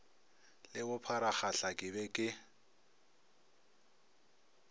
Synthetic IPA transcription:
lɪbʊpʰaɾaχaɬakʼɪbɛkʼɪ

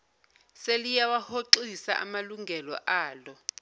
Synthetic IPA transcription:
selijawahoǁisa̰ʔa̰maluŋɡʱɛlɔ̰ʔaːlɔ

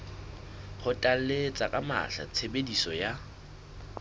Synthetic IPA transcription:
χʊtʼal̩let͡sʼakʼama̰ɬa̰t͡sʰebedisɔja

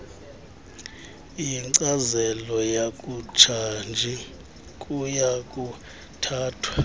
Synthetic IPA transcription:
iŋǀazɛlɔjakʼut͡ʃʰand͡ʒʱi | kʼujakʼu | tʰaːtʰwa

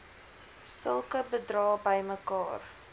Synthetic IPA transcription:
səlˠkəbədrɑːbəjməkɑːr

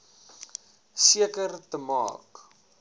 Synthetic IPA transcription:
siəkərtəmɑ̰ːk

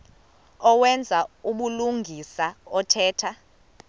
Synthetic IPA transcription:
ɔwɛnd͡zʱauɓuluŋʱisaɔtʰɛːtʰa

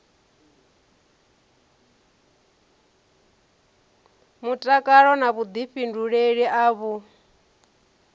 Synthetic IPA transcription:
mutʼakʼaɺɔnaβud̪iɸinduɺeɺiʔaːβu

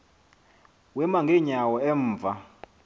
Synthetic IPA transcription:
wɛmaŋɡʱeɲawɔɛɱːvʱa

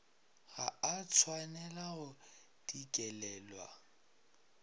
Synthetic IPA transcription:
ɣaat͡sʰwanɛlaɣʊ | d̥ikʼɛlɛːlwa̰

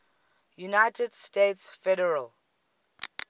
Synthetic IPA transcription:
junajtʰɛdstetsfɛɾɛɹəl

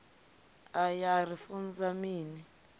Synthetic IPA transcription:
ajarifund͡zamiːni

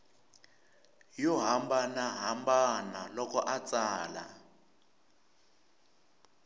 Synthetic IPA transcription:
jɔɦambanaɦambanalɔkɔʔat͡sʼaːla̰

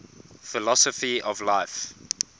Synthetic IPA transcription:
fɪlɔsɔfiɔvlaɪf

